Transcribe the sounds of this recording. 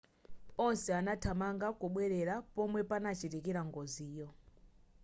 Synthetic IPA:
ɔnsɛanatʰamaŋɡakuɓwɛɾɛɾapɔmwɛpanat͡ʃitikiɾaŋɡɔziːjɔ

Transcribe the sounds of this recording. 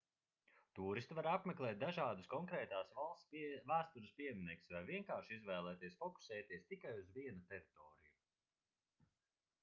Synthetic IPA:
t̪uːɾist̪ivaɾapmeklˠɛːt̪̚d̪aʒaːd̪uskɔŋkɾɛːt̪aːsvalˠst̪væːst̪uɾuspʲiɛjmʲinɛksvajviɛŋkaːɾʃizvɛːlˠɛːt̪iɛsfɔku̥sɛːt̪iɛst̪ikajuzviɛnut̪ɛɾit̪ɔːɾḭju

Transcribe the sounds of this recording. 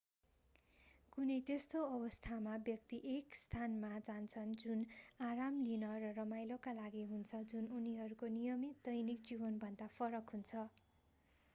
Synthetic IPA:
kunʌjt̪est̪oʌbʌst̪ʰamabjʌkt̪iʔekst̪ʰanmad͡zant͡sʰʌnd͡zunaɾamlinʌɾʌrʌmajlokalaɡiɦunt͡sʰʌd͡zununiɦʌɾukonijʌmit̪̚d̪ʌjnik̚d͡zibʌnbʱʌnd̪apʰʌɾʌkɦunt͡sʰʌ

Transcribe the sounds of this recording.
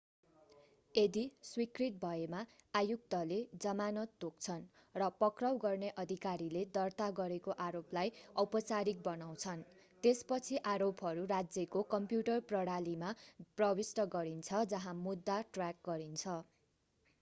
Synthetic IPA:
ed̪iswikrit̪̚bʱʌemaːjuk̚t̪ʌled͡zʌmanʌt̪ːok̚t͡sʰʌn | rʌpʌkrʌwɡʌrneʔʌd̪ʱikaɾiled̪ʌrt̪aɡʌɾekoʔaɾoplajʌpʌt͡saɾik̚bʌnaw̃t͡sʰʌn | t̪espʌt͡sʰiʔaɾopɦʌɾurad͡zjʌkokʌmpjuʈʌrprʌɽalimaprʌbisʈʌɡʌɾint͡sʰʌd͡zʌɦãmud̪ːaʈrak̚ɡʌɾint͡sʰʌ

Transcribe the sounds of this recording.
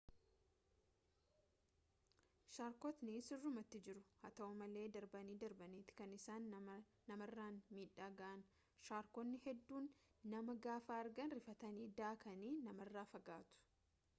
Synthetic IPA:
ʃaːɾkɔt̪nɪsɪrːʊmɐt̪ːɪd͡ʒɪɾʊ̥hɐt̪ɐʊmɐle̞ːd̪ɐɾbɐniːd̪ɐɾbɐniːt̪ɪ̥kɐnɪsaːnː | ɐmɐrːaːnmiːᶑːaːɡɐʔɐn | ʃaːɾkɔnːɪhɛd̪ːuːnːɐmɐɡaːfaːɐɾɡɐnɾɪfɐt̪ɐniːd̪aːkɐniːnɐmɐrːaːfɐɡaːt̪ʊ̥

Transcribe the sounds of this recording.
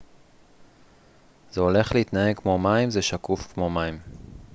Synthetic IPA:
zeo̞le̞χleit̪nae̞ɡkmo̞maimzeʃakufkmo̞maim

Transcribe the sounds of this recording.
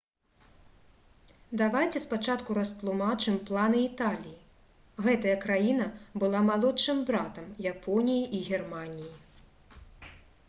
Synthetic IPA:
d̪avajt͡sʲɛspat͡ʂat̪kuɾɐsp̪lˠumat͡ʂɨmplˠanɨit̪alʲiji | ɣɛt̪ɐjɐkɾajinɐbɨlˠamalˠɔtt͡ʂɨmbɾat̪ɐmjapʰɔnʲijiʔiɣʲɛrmanʲiji

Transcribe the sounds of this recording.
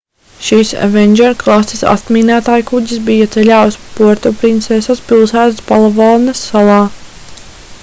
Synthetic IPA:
ʃiːsvɛnʲd͡ʒɛɾklˠasisa̰t̪miːnæːt̪aːjkuɟʲis̬bijat̪sɛlʲaːwspuɔɾt̪ɔpɾint̪sɛsaspilˠsæːt̪spalˠavɑlˠnasːalˠɑː

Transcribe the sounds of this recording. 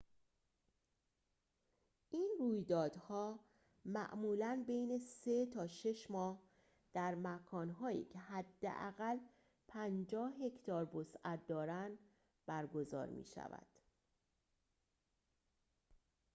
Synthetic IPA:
ʔiːnruːjd̪ɒːd̪̥hɒː | mæʔmuːlænbejne̞se̞t̪ʰɒːʃe̞ʃmɒːh | d̪̥æɾmækʰɒːnɦɒːjḭːcʰeɦæd̪ːḛʔæ̰ɣæl | pʰænd͡ʒɒːhɦe̞cʰt̪ɒːɾbosʔæt̪̚d̪ɒːɾænd̪ | bæɾɡo̞zɒ̰ːɾmḭːʃæ̰væ̰d̪̥

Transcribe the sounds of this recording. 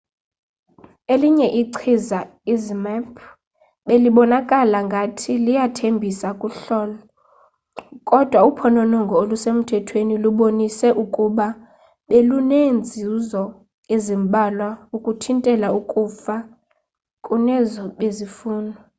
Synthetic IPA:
eliɲɛʔiǀʰiza | izmɛpʰ | ɓeliɓɔnakʼalaŋɡʱatʰilijatʰembʱisakʼuɬɔːlɔ | kʼɔd̥ʱwaupʰɔnɔnɔŋɡʱɔolusem̩tʰɛtʰweniluɓonisɛʔukʼuɓa | ɓelunend͡zʱizɔ | ezimɓʱalwaukʼutʰintʼɛlaukʼufa | kʼunɛzɔɓezifuːnʱɔ

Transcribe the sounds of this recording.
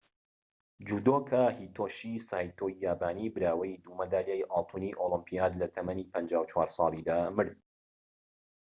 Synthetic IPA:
d͡ʒuːd̪okʰahiːt̪ʰoːʃisaːjt̪ʰoːaːbaːniːbɨɾaːwɐjd̪umɐd̪aːljajʔɑlt̪ˤʰuniʔolɨmpijaːd̪lɐt̪ʰɐmɐnipʰɐnd͡ʒaːwt͡ʃʰwaːɾsˤɑːlˠid̪aːmɨɾd̪̚

